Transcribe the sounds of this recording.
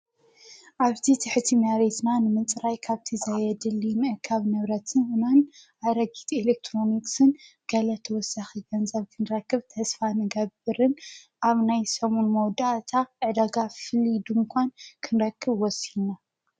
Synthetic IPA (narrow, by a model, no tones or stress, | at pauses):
ʔaβt̪ʰit̪ʰɨħɨt̪ʰimaβet̪nanɨmɨnt͡sʼɨɾajkʰaβt̪ʰizajɛd̪ɨlːimɨʔkʰːaβnɨβɾɐt̪ʰɨnwɨnanʔajɾɐɡit̪elek̚t̪ʰɾo̞niksɨnɡ̥ɐlɐt̪ʰɐwɔsːaxiɡɐnzɐβkʰɨnɨɾɐkːɨβt̪ʰɐsfanɨɡɐbɨɾɨn | ʔaβnajsɐmonmɐwd̪aʔt̪ʰaʔɨd̪aɡafɨlid̪umɨkʷankʰɨnɾɐkʰːɨβwɔsina